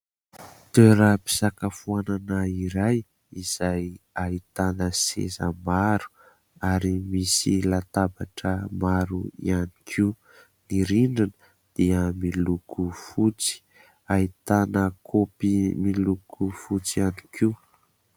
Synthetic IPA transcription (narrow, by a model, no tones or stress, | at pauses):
t̪øɾəpi̥sakafuananaiɾaj | iz̥ajait̪anəsḛzə̰maɾu̥ | aɾimisilat̪abaʈ͡ʂəmaɾuḭanikʰiu | niɾiɳɖ͡ʐinə̥ | d̪̥iəmilukufut͡si̥ | ait̪anəkʰopimilukʰufut͡sianikʰiw